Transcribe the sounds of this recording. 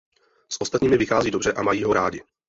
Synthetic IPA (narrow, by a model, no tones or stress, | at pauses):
sʔo̞st̪at̪ɲiːmɪvɪxaːziːdobr̝ɛʔamajiːɦo̞ɾaːɟɪ